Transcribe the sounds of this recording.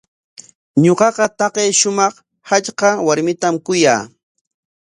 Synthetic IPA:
ɲoqɑqɑt̪ɑqejʃʊmɑχ | hat͡ʃqɑwaɾmɪt̪amkʊja̰ː

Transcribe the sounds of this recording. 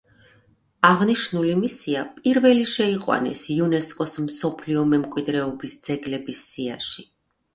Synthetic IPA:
aʁniʃnulimisiapʼiɾvɛliʃɛiqʼwa̰nɛ̰siunɛskʼɔsmsɔpʰliɔmɛmkʼwid̪ɾɛɔbisd̪z̥ɛɡlɛbisːiaʃi

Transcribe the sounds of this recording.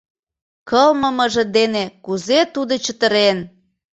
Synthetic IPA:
kəlməməʒĕd̪enekuzet̪ud̪ot͡ɕət̪əɾen

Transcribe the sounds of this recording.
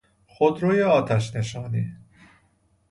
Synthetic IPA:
xod̪ɾoːjeɒːt̪ʰæʃ̬neʃɒːniː

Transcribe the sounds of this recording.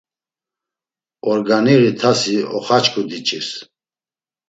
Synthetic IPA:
ɔɾɡaniɾit̪ʰasiɔ̰χat͡ʃʰʼkʼud̪it͡ʃʼis

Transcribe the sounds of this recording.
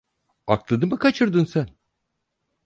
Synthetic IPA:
aklˠɯnɯmɯkʰat͡ʃʰɯɾd̪ɯnsæn

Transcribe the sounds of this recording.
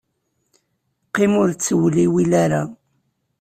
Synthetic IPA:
qːimʊɾt͡sːəwliwilaɾa

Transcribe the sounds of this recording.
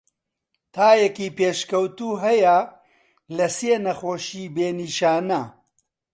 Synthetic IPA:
t̪ʰaːjɛkiːpeːʃkɐwt̪uːɦɐjɐ | lɐseːnɐxoːʃiːbeːniːʃaːnɐ

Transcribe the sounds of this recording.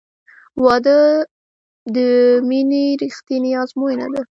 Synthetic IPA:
wɑd̪ə | d̪əminiɾixt̪inɪjɑzmojna̰d̪a

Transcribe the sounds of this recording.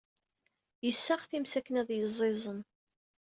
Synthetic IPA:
jəsːaʁθimsækːənæðjəzˤːezˤən

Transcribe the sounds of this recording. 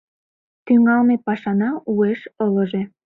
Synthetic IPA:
t̪yŋɑlmepɑʃɑnɑueʃɤlɤ̆ʒe

